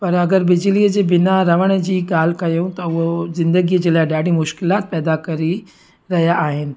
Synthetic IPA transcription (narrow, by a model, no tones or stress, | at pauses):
pɐɾɐɡəɾbɪd͡ʒliəd͡ʑebɪnaɾɐʋəɽ̃d͡ʑiːkaːlkɐjõt̪ɐʋozɪ̃nd̪əɡid͡ʑeːlaːɪɖaːɽimʊʃkɪlaːt̪̚pɛːd̪akɐɾi | ɾɐɦjaʔaːɦɪnɪ̆